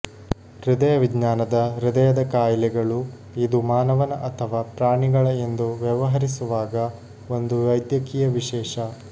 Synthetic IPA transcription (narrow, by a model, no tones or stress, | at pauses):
ɾud̪ɐjɐʋid̪naːnɐd̪ɐɾud̪ɐjɐd̪ɐkaːjlɛɡɐɭu | id̪umaːnɐʋɐnɐʔɐt̪ʰɐʋaːpɾaːɳiɡɐɭɐend̪uʋjɐʋɐɦɐɾisuʋaːɡɐ | o̞nd̪uʋɐjd̪jɐkiːjɐʋiʃɛːʃɐ